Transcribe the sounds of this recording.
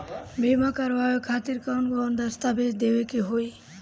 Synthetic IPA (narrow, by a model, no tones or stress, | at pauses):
bʱemakəɾʋaekʰat̪iɾkawnɡɔnd̪əst̪abet̪d̪ebekeɦoj